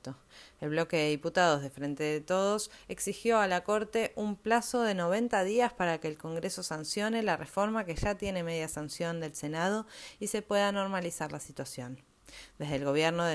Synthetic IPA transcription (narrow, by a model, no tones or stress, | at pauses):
t̪o | elβ̞lo̞keðeðiput̪aðo̞zð̞efɾe̞nt̪eðet̪o̞ð̞o̞seksixjo̞alako̞ɾt̪e̞ʔumplaso̞ð̞e̞no̞β̞e̞nt̪að̞iaspaɾake̞ːlko̞ŋɡɾe̞so̞sansjo̞ne̞larʔefo̞ɾmakeʒat̪je̞ne̞me̞ðjasansjo̞nd̪e̞lse̞nað̞o̞ise̞pwe̞ðano̞ɾmalisaɾlasit̪wasjo̞n | d̪e̞zðeːlɣ̞o̞β̞jeɾnoðe